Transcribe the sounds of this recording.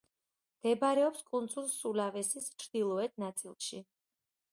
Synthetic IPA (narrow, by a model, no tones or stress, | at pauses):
d̪̥ɛbaɾɛɔpskʼund̪zulsulavɛsist͡ʃʰɾd̪̥ilˠɔɛt̪̚ʰnat̪sʼḭlˠʃi